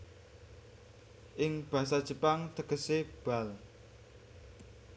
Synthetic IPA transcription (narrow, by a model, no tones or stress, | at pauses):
ʔɪŋb̥ä̤sad̥ʒ̥ə̤paŋt̪əɡ̥əseb̥a̤l